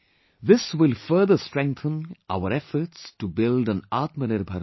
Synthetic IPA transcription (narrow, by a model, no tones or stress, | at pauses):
ðɪswɪlfəɾd̪əsʈɾɛ̃ŋk̚θə̃nʔa̰ʊəɾɛfəʈstubɪldə̃naːt̪məɾeɾbʱɐɾ